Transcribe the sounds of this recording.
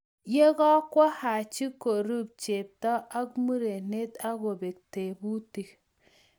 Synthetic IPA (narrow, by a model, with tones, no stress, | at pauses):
je˦ɡɔ˦kwa˦ha˨t͡ʃi˦ko˨ɾu˦˨b̚t͡ʃe˨p̚ta˦a˦kmu˦ɾe˨ne˦t̪a˦ɡo˨be˨k̚te˨bu˦ti˨k